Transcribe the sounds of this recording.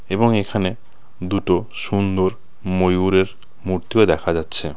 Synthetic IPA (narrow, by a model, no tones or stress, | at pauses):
eboŋekʰane | d̪uʈo | ʃund̪oɾ | mojuɾeɾ | muɾt̪ioed̪ɛkʰad͡ʑatːɕʰe